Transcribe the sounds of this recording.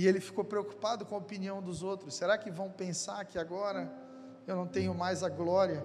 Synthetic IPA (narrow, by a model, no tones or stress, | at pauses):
ɪelɪfi̥kopɾeoku̥pad̪ʊkõɐopiniɐ̃w̃d̪ʊzowt̪ɾʊsːeɾakɪvɐ̃w̃pẽsaɾakiaɡɔɾɐ | ewnɐ̃w̃t̪ẽɲʊmajzɐɡlɔɾiɐ